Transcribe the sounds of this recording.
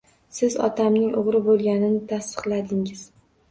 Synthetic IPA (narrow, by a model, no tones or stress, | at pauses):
sɪzɒ̰t̪ʰamnɪŋʔʊʁɾɪbolˠɡʲanɪnɪt̪ʰast̪ɨ̥qlˠad̪ɪŋɪz̥